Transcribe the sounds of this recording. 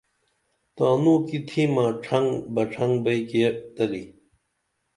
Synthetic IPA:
t̪aːnuːkit̪ʰimãːʈ͡ʂʰɐŋbɐʈ͡ʂʰɐŋɡbɐjket̪ɐli

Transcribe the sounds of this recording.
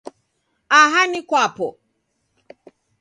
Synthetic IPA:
aɦanikwapɔ

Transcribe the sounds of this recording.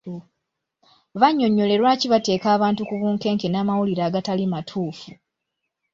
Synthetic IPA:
βaɲːo̞ɲːo̞le̞ɾwaːciβate̞ːkaːβaːntukuβuːŋke̞ːŋkenaːmawuliɾaːɡatalimatʰuːfu

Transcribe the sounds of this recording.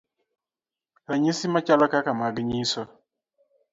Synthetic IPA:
aɲisimat͡ʃalɔkakamaɡɪɲisɔ

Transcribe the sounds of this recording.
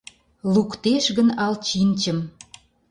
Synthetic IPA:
lukt̪eʃɣənɑlt͡ɕinʲt͡ɕəm

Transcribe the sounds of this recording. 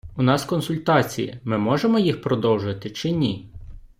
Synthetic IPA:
unɑskɔnsʊlʲt̪ɑt͡sʲḭjḭmɪmɔʒemɔjixpɾɔd̪ɔwʒʊʋɐt̪ɪt͡ʃɪnʲi

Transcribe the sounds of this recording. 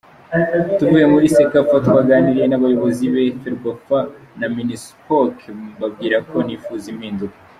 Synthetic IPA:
tuvujemuɾisekafatkwaːɡaːniɾenaβajo̞βo̞ziβefeɾɡafa | naminispokbabɡiːɾakʰo̞nifuːzimhiːnduko̥

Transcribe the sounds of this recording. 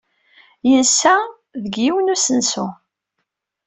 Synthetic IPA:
jənsːæ | ðəɡiwənusənsu

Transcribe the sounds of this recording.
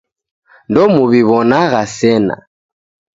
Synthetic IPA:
ndɔmuβiβɔnaɣasɛna̰

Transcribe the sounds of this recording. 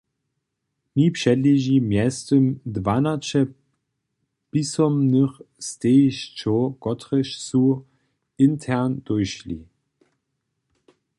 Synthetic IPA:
mipʂɛdliʒimjɛstəmdvanat͡ʃɛ | pisɔmnəxst̪eʃt͡ʃokɔtʁəʃsu | ɪntʰɛʁnd̪̥ojʃlḭ

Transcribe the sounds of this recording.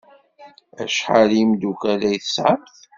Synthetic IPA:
æ̰ʃħalimd̪ukælæjθəsʕamθ

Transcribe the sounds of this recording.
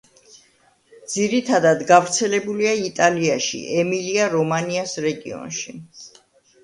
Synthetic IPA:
d̪z̥iɾit̪ʰad̪ad̪ɡavɾt̪sʰɛlɛbuliait̪ʼaliaʃḭʔɛmiliaɾɔmaniasɾɛɡḭɔ̰nʃi

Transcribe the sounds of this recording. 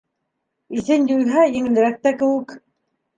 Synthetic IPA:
iθɘnjulɦæjɘ̆ŋɘ̆lɘ̆ɾæk̚t̪ækɘ̆wɘk

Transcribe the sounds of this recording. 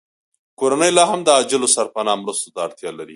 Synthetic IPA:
koɾanəjlɑɦamd̪əɑd͡ʒɪlosaɾpanɑmɾust̪ot̪aːɽt̪jɑlaɾi

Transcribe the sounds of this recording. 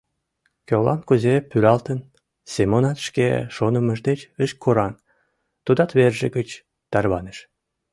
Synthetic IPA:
kølɑ̰nkuzepːyɾɑlt̪ən | semonɑt̪ʃkḛʃonəməʒd̪et͡ɕəʃkʰoɾɑn | t̪ud̪ɑt̪βerʒə̰ɡət͡ɕ | t̪ɑrβɑnəʃ

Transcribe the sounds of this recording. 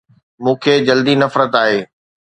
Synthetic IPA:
mũːkʰeːd͡ʑɐld̪inɐfɾət̪aːɦeː

